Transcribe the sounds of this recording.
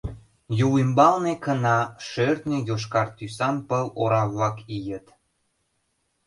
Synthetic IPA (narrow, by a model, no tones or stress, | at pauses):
juwimbɑlnekənɑʃørt̪nʲejoʃ̬kɑrt̪ysɑnpəloɾɑβlɑkijət̪